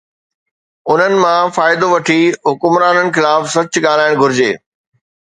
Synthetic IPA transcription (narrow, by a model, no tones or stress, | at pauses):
ʊn̤ənɪ̆mãfaːɪd̪oʋɐʈʰiɦʊkʊmɾaːnənɪ̆xɪlaːfsɐt͡ɕʊɠaːl̤aːɪɽ̃ɡʱʊɾɪd͡ʑḛː